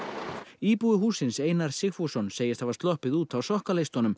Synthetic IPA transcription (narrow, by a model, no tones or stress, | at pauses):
iːpuɪɦuːsɪnseːjnaɾ̥sɪxfusɔnseːjɪst̪ʰavaɾst̪lɔhpɪðuːt̪awsɔhkalejst̪hɔnʏm